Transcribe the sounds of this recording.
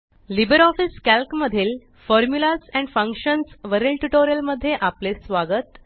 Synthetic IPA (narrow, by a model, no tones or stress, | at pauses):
libəɾɔfiskælkməd̪ʱiːl | fɔɾmjulasɛ̃ɳɖfə̃ŋkʂənsʋəɾelʈuʈoɾijəlməd̪ʱːjeʔaplesʋaɡət̪